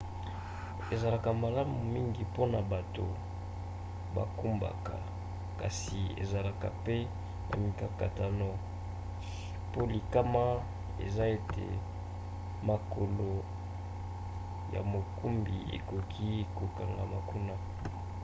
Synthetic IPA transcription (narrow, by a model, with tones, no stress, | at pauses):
e˨za˨la˨ka˨ma˨la˦mu˨mi˦ŋɡi˨po˦na˨ba˨to˨ | ba̰˨ku˦mba̰˨ka̰˨ | ka˨si˨ḛ˨za˨la˨ka˨pe˦ | na̰˨mi˨ka˨ka˨ta˨nɔ˦ | po˦li˨ka˦ma˦ | ḛ˨za˦e˨tḛ˨ | ma˨ko˨lo˨ | ja̰˨mo˨ku˦mbi˨ḛ˨ko˨kʰi˦ko˨ka˨ŋɡa˨ma˨ku˦na˦